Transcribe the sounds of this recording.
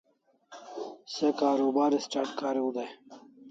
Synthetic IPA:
sekaːɾuːbaːɾisʈaʈkaːɾiud̪ej

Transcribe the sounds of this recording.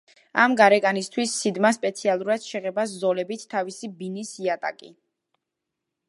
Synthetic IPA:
a̰mɡaɾɛkʼanist̪ʰwisːid̪maspʼɛt̪sʰialˠuɾad̪̥ʃɛʁɛbaszɔlɛbit̪ʰt̪ʰːavisibinisiat̪ʼa̰kʼi

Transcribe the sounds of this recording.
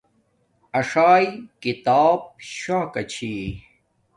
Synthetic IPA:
ɐʂaːjkit̪aːb̚ɕãːkɐt͡ɕʰi

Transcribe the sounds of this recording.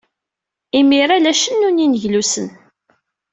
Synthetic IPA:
imiɾalæʃənːuninəʝlusən

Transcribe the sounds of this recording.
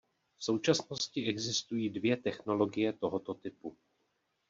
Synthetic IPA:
fso̞wt͡ʃasno̞scɪɛɡzɪst̪ujiːdvjɛt̪ɛxno̞lo̞ɡɪjɛt̪o̞ɦot̪ot̪ɪpu

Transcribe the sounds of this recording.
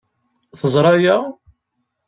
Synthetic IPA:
θəzˤɾˤɑjæ

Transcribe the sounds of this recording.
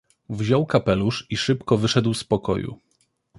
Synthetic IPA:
vʑɔwkapɛluʂiʂɘpkɔvɘʂɛd̪wspɔkɔ̰jṵ

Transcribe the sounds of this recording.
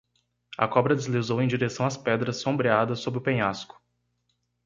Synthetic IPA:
ɐ̰kɔbɾɐd͡ʒ̪ezlizowẽj̃d͡ʒiɾesɐ̃w̃ɐspɛd̪ɾɐsːõmbɾiad̪ɐsːobɾɪʊpẽɲaskʊ̥

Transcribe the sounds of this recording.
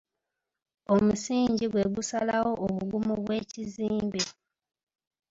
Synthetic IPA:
o̞musiːɲɟiɡwe̞ɡusalawo̞ʔoβuɡumuβwe̞ːciziːmbe

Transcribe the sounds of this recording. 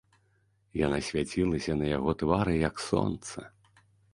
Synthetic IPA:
janasʲvʲat͡sʲilˠɐsʲɐnɐjaɣɔt̪vaɾɨjɐksɔ̰nt̪sɐ̰

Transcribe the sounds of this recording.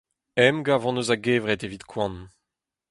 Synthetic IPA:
ɛmɡavɑ̃nozaɡeːvʁɛt̪evit̪kʰwɑ̃n

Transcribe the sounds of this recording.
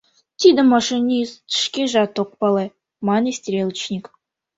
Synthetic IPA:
t̪ʲid̪ɪmɑʃɨnʲist̪ʰɪ̥ʃkʲeʒɑt̪oq̚pɑlˠɑ | mɑnesʲt̪ʲɾʲelˠt͡ʃnʲik

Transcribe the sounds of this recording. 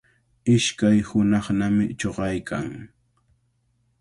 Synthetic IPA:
ɪʃkajhʊnɑχnamɪt͡ʃoɢɑjkʰa̰ŋ

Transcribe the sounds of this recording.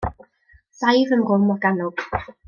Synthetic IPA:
sajvənɡʊmɔɡanʊɡ̥

